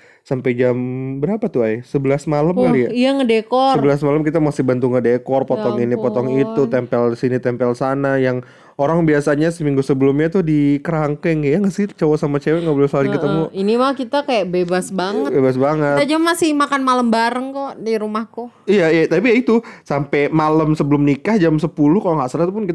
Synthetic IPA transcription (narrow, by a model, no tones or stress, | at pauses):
sampɛjd͡ʒambəɾapat̪ʊajsəbəlasmaləmkaliaijaŋədekɔsəbəlas̬maləmkit̪amasɪhbant̪uŋədekɔrpɔt̪ɔŋinipɔt̪ɔŋit̪ut̪ɛmpɛlsinit̪ɛmpɛlsanajaŋ | oɾaŋbiasaɲasəmiŋɡusəbəlʊmɲat̪ʊhdikəɾaŋkɛŋjaŋasɪht͡ʃawasamat͡ʃewɛŋɡaʔbolsalɪŋkət̪əmuinimakit̪akajaʔbebasbaŋəbebasbaŋət̪dad͡ʒamamasɪhmakanmaləmbaɾəŋk̪oʔdiɾumahku | ijajat̪apijait̪usampɛmaləmsəbəlʊmnikahd͡ʒamsəpulʊhkalɔŋasəlat̪up̬ʊnkit̪